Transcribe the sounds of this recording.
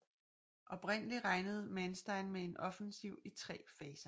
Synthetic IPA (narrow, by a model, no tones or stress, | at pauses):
ʔɒ̽b̥ʁen̰əliʁɑ̈ɪnəð̞̩ˠmænsd̥ɑ̈ɪnmee̝nʔɒ̽fənsiʊ̰it͡sʰʁɛ̰ːfɛːsɐ